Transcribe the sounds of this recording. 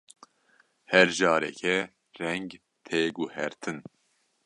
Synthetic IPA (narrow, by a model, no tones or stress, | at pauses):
hɛɾʒɑːɾɛ̰kʰɛ | rɛŋɡ | t̪ʰeːɡuhɛ̰ɾt̪ʰɨn